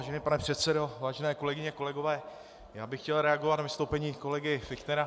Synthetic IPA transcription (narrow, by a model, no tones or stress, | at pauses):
aːʒɛniːpanɛpr̝̥ɛt̪sɛdo̞vaːʒɛnɛːko̞lɛɡɪɲɛko̞lɛɡo̞vɛː | jaːbɪxcɛlɾɛaɡovat̪navɪst̪owpɛɲiːko̞lɛɡɪfɪkt̪nɛɾa